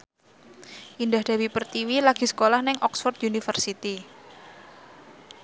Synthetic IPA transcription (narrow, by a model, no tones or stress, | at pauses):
ʔind̪ahd̪̥a̤wipərt̪iwilaɡ̥i̤sə̥kolahnɪŋʔɔksfɔrt̪junifərsit̪i